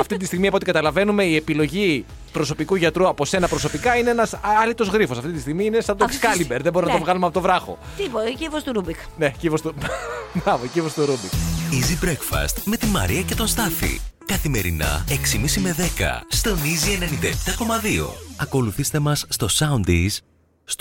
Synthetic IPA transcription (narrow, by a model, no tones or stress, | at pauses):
ɐft̪it̪ist̪iɣmiɐpot̪ikɐt̪ɐlɐve̞nume̞ie̞pilo̞ʝi | pɾo̞so̞pikuʝɐt̪ɾuɐpo̞se̞nɐpɾo̞so̞pikɐine̞enɐsɐlit̪o̞zɣɾifo̞sɐft̪it̪ist̪iɣmiinesɐot̪ekskɐlimbeɾðeboɾinɐt̪vɣɐlumeɐpot̪ovɾɐxo̰ | t̪ipocivost̪ɾubik | ne̞civost̪ubɐvocivost̪uɾubikizibɾekfɐ̰st̪me̞t̪imɐ̰ɾiɐce̞t̪o̞nst̪ɐθḭkɐθime̞ɾḭnɐ̰eksimisime̞ðe̞kɐ̰st̪o̞nizienenind̪ɐept̪ɐko̞mɐðio̞̰ɐko̞luθist̪e̞mɐsːt̪o̞sɐund̪is | s